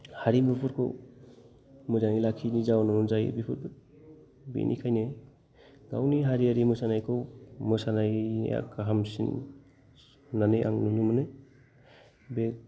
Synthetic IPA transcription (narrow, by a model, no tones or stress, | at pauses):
haɾimbipʰuɾkʰɯ̰ | mɯzanilakʰinizawnanunzaj̰bipʰuɾb | bḛnʔḭkʰajne | ɡa̰wniɦaɾiaɾimɯsanajkʰɯwmɯsanaja̰kaɦamsḭn | naneʔa̰ŋnunumɯne | bek̚